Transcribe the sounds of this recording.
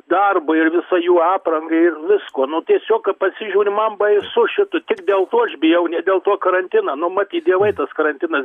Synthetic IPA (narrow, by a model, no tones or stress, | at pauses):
d̪ɐrbʊɪrʋʲɪsɐjuːɑːprɐŋɡɐɪɪrʋʲɪskuɔnʊt̪ʲiɛsʲoːkkɐpɐsʲɪʒʲuːɾʲɪmɐmbɐɪsʊʃʲɪt̪ʊt̪ʲɪkd̪ʲeːlˠt̪uːɐʃbʲɪjɛʊnʲɛd̪ʲeːlˠt̪uɔkɐɾɐnʲt̪ʲɪnɐːnʊmɐt̪ʲiːtdʲiɛʋɐɪt̪ɐskɐɾɐnʲt̪ʲɪnɐs